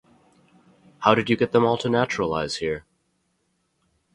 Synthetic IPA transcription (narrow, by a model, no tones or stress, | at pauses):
haʊɾɨd͡ʒɨɡɛt̪̚ðə̃mɔlˠtʰɨnæt͡ʃɹəl̩a̰ɪz̥hiɹ